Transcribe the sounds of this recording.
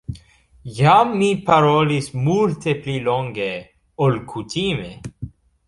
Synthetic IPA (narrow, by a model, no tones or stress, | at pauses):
jamːipaɾolismult̪epliloŋɡe | olkʰut̪ʰime